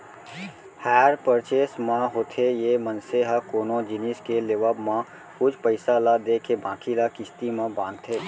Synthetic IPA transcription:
hɛːɾpəɾt͡ʃesmãɦoːt̪ʰejemənseɦəkoːnõd͡ʒɪniskeleʋəbmã | kʊd͡ʒʰpəɪsalad̪eːkʰebãːkʰilakɪst̪imãbãːnt̪ʰeː

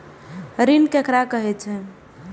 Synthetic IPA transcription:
ɾinkekɾakəɦɛt͡ʃʰɛ

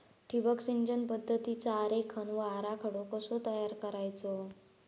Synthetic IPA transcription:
ʈʰibəksind͡ʑənpəd̪ʱːət̪it͡saːɾekʰənʋəaɾakʰəɽokəsot̪əjaɾkəɾajt͡so

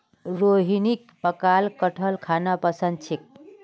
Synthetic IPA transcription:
ɾoɦinikpəkalkəʈʰəlkʰanapəsənd̪̚t͡ʃʰik̚

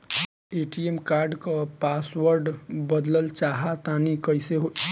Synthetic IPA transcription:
eʈiemkaɾɖkəpasʋəɾɖbəd̪ləlt͡ʃaɦat̪anikəjseɦo

